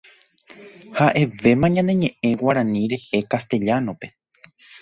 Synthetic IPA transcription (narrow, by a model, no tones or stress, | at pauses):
haʔe̞ʋe̞mãɲãnd̪ẽ̞ɲẽ̞ʔẽ̞waɾãnĩɾe̞hekast̪e̞ʎanõ̞pe̞